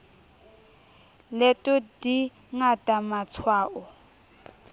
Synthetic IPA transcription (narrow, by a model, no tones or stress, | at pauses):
lɛtʼɔdi | ŋatʼamat͡sʰwaːʔɔ